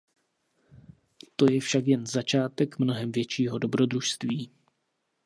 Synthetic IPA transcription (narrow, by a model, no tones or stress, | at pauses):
t̪o̞jɛfʃakjɛnzat͡ʃaːt̪ɛkmno̞ɦɛmvjɛt͡ʃiːɦo̞do̞bɾo̞dɾuʃst̪viː